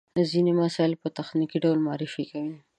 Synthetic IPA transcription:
zinemasɑlpət̪axnikiɖawlmɑɾifikawi

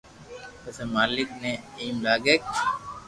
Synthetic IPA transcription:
ɐsemaːlɪk̚neiːmlaːɡeːk

